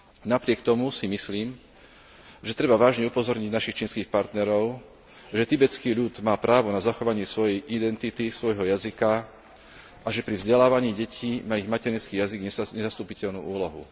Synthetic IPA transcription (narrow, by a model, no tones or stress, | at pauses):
napɾɪɛkt̪ɔmusimisliːm | ʒɛt̪ɾɛbaʋaːʒɲɛupɔzɔɾɲiɟnaʃixt͡ʃiːnskiːxpaɾt̪nɛɾɔʊ | ʒɛt̪ibɛt͡skiːʎud̪maːpɾaːʋɔnazaxɔʋaɲɪɛsʋɔjɛjʔid̪ɛnt̪it̪isʋɔjɦɔjazika | ʔaʒɛpɾivzɟɛlaːʋaɲiːɟɛcʰiːmaiɣmacɛɾint͡skiːjaziɡɲɛɲɛzast̪uːpicɛʎnṵːuːlɔɦṵ